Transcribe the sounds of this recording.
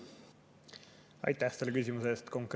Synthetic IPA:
ɑ̰jt̪ːˑæhselekysʲimuse̞ːst̪ko̞ŋkɾ

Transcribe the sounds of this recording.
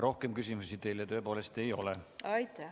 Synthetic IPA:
ɾo̞hke̞mkys̬ʲimusit̪e̞jlɑt̪ø̞ːpo̞ːle̞st̪e̞jo̞̰leɑjt̪ː

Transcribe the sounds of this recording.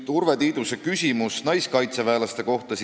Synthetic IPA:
t̪urve̞t̪iːd̪̥use̞kysʲimusnɑjskɑjt̪se̞veːlɑst̪e̞ko̞ht̪ɑs

